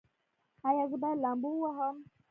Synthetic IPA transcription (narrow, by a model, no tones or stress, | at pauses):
ajaɡudalambuwaɦam